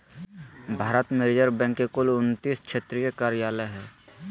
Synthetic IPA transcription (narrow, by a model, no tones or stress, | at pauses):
bʱaːɾət̪meɾɪd͡ʒəɾbɛ̃ːŋkːekʊlʊnt̪iːskʃʰeːt̪ɾijəkaːɾɪjaːləɦɛː